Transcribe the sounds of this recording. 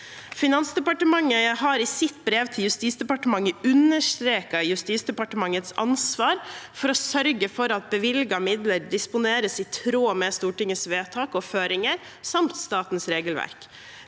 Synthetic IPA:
fɪnɑnsd̪ɛpɑʈəmɑŋːəɦɑɾɪsɪt̪bɾeːʋt̪ʰɪljʉst̪iːsd̪ɛpɑʈəmɑŋːəʉnːəʂt̪ɾeːkɑjʉst̪iːsd̪ɛpɑʈəmɑŋːət̪sɑ̰nsʋɑːɾfɔɾɔsœɾɡəfɔɾɑt̪̚bəʋɪlɡɑmɪd̪ləɾdɪspʊneːɾəsɪt̪ʰɾoːmɛst̪uːʈɪŋəsʋeːt̪ʰɑːkɔføːɾɪŋəɾ | sɑmt̪st̪ɑːt̪n̩sɾeːɡəlʋæ̰ɾk

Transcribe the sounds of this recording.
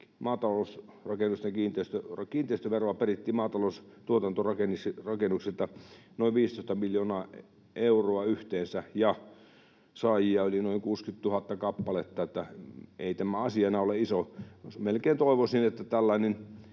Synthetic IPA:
mɑːt̪ɑloˑus | rɑkenːˑust̪ekiːnt̪eist̪ørɑkiːnt̪eˑist̪øʋeroɑperit̪ːiːmɑːt̪ɑloˑust̪uot̪ɑnt̪orɑkenisirɑkenuksilt̪ɑnoˑiʋʋiːst̪oist̪ɑmiljoːnɑ | ʔeuroɑyht̪eːnsæjɑ | sɑːjiɑolʲinoˑiŋkuːskyt̪t̪uhɑt̪ːɑkɑpːɑlet̪ːɑet̪ːæḛit̪æmæɑsiɑenɑoleisoosmelkeːnt̪oˑiʋosinet̪ːæt̪ælːæinen

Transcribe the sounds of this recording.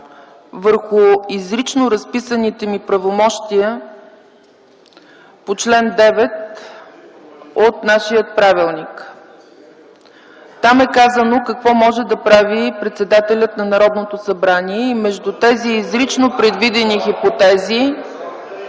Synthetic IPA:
vəɾxʊizɾit͡ʃnoɾɐspisənit̪ɛmipɾɐvomɔʃt̪iə | pot͡ʃlɛnd̪ɛvɛt̪ | ot̪naʃijət̪̚pɾavilˠnik | t̪amɛkazənokəkvɔmɔʒɛd̪ɐpɾavipɾɛt̪sɛd̪at̪ɛlʲət̪nɐnɐɾɔd̪not̪osɐbɾaniɛimɛʒd̪ut̪ɛziːzɾit͡ʃnopɾɛd̪vid̪ɛnixipot̪ɛzi

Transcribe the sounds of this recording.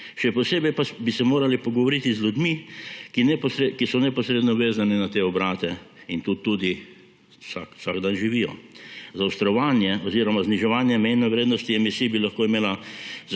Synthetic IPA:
ʃɛpɔseːbɛjpabisɛmoːɾalipɔɡɔʋɔɾit̪izlʲjud̪mikinɛpsɾekisɔnɛpɔsɾeːd̪nɔʋeːzaninat̪eːɔbɾaːt̪ɛint̪ut̪ud̪i | saksaɡd̪anʒiʋiːjɔ̰zawst̪ɾɔʋaːnjɛɔziːɾɔmazniʒɛʋaːnjɛmɛjnɛʋɾeːd̪nɔst̪iɛmisiːbilaxkoːimeːlaz

